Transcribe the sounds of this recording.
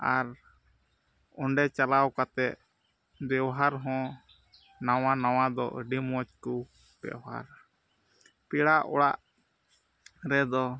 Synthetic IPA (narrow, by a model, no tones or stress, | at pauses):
aɾ | ɔɳɖɛt͡ʃalawkat̪ɛʔ̪ | b̪ɛwɦaɾɦɔ̃ | nawanaw̃ad̪ɔʔəɖimɔt͡ʃku | b̥ɛ̰wɦa̰ɾ | piɽaʔɔ̰ɽaʔ | ɾɛd̪ɔ